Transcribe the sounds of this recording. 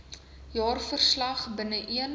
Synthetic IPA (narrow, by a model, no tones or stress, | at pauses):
jɑːrfərslɐχbənəʔiən